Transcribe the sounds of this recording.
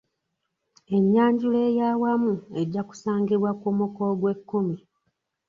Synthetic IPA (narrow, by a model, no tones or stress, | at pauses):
e̞ɲːaːɲɟuleːjaːwamue̞ɟːaku̥saːŋɡiβwakomukoɡwe̞kːomi